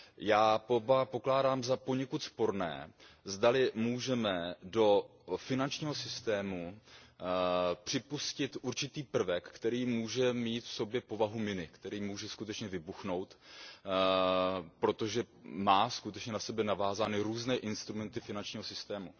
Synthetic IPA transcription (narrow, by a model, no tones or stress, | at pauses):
jaːpobapo̞klaːdaːmzapo̞ɲɛkut̪spo̞ɾnɛ̰ːzdalɪmuːʒɛmɛdo̞fɪnant͡ʃɲiːɦo̞sɪst̪ɛːmu | pr̝̥ɪpuscɪt̪ʔuɾt͡ʃɪt̪iːpr̩vɛkːt̪ɛɾiːmuːʒɛmiːt̪fso̞bjɛpo̞vaɦumɪnɪkt̪ɛɾiːmuːʒɛskut̪ɛt͡ʃɲɛvɪbuxno̞wt̪ | pɾo̞t̪oʒɛ | maːskut̪ɛt͡ʃɲɛnasɛbɛnavaːzaːnɪɾuːznɛːʔɪnst̪ɾumɛnt̪ɪfɪnant͡ʃɲiːɦo̞sɪst̪ɛːmu